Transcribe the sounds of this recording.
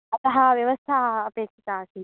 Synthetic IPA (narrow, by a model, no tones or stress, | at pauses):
ɐt̪ɐɦaʋjɐʋəst̪ʰaəpeːkʃɐk̪aːsi